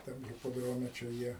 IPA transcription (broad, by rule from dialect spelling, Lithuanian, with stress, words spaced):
ˈtɐm ɣʲɪpoːˈdroːmʲɛ t͡ʃʲɛ ˈjiɛ